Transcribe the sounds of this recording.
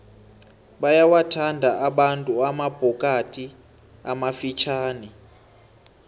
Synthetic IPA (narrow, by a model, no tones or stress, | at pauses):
ɓajawatʰandʱaʔaɓantʼuamab̥ʱɔkʼatʼi | amafit͡ʃʰaːni